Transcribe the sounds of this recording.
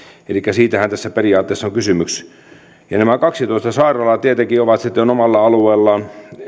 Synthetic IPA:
elikːæsiːt̪æhænt̪æsːæperiɑːt̪ːeˑːsːoŋkysymyks | jɑ̰næmækɑksit̪oˑist̪ɑsɑˑirɑlɑt̪iet̪ekioʋɑt̪sit̪ːeonomɑlːɑɑlueːlːɑn

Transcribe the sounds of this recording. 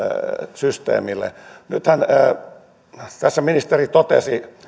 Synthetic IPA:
syst̪ḛːmilːḛnyt̪hæn | t̪æsːæminist̪erit̪ot̪ḛsi

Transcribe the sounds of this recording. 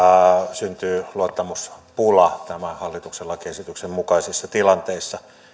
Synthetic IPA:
synt̪yːluot̪ːɑmuspulɑt̪æmæhɑlːit̪ukselːɑkesit̪yksemmukɑisisːɑt̪ilɑnt̪eˑisːɑ

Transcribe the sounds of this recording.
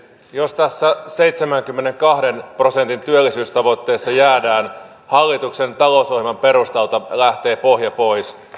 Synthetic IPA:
jost̪æsːæse̞jt̪semæŋkymːeneŋkɑhde̞npro̞se̞nt̪int̪yølːisyːst̪ɑʋo̞t̪ːe̞ːsːɑjæːdæːn | hɑlːit̪ukse̞nt̪ɑlosohimɑmpe̞rust̪elt̪ɑlæht̪e̞ːpohjɑpojs

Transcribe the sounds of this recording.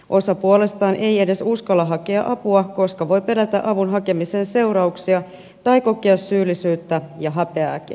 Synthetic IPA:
ʔo̞sɑpuolest̪ɑːnʔe̞je̞de̞suskɑlːɑɦɑkeɑ̰ʔɑpuɑko̞skɑʋo̞jpe̞ɾæt̪æ̰ʔɑʋunɦɑke̞miseːnse̞uɾɑuksiɑ | t̪ɑjko̞kiɑsːyːlːisyːt̪ːæjɑɦɑpe̞ɑːkḭ

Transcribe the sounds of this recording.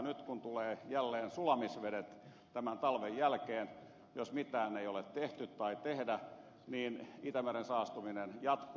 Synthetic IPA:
nyt̪kunt̪uleːjælːeːnsulɑmisʋedet̪ | t̪æmænt̪ɑlʋejjælkeːn | josmit̪æːneiolet̪t̪eht̪yt̪t̪ɑit̪ehdæ | niːnit̪æmærensɑːst̪uminenjɑt̪k

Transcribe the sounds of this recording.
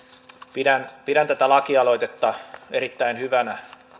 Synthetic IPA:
pidænpiɾænt̪æt̪ælɑkiɑlo̞it̪et̪ːɑeɾit̪ːæinhyʋænæ

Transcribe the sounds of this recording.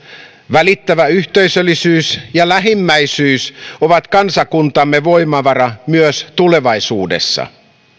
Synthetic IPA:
ʋælit̪ːæʋæyht̪eisølːisyːsjɑlæɦimːæisyːsoʋɑt̪kɑnsɑkunt̪ɑmːeʋoimɑʋɑrɑmyøst̪ule̞ʋɑisuːdḛsːɑ̰

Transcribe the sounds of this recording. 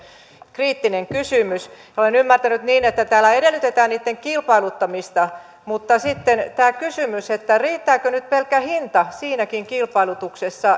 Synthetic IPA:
kriːt̪ːineŋkysymysjɑolenymːært̪ænyt̪niːnet̪ːæt̪æːlːæeɾelːˑyt̪et̪æːnniːt̪ːeŋkilpɑilut̪ːɑmist̪ɑ | mut̪ːɑsit̪ːent̪æːkysymyset̪ːæriːt̪ːæːkønyt̪̚pelkæhint̪ɑsiːnækiŋkilpɑilut̪uksesːɑ

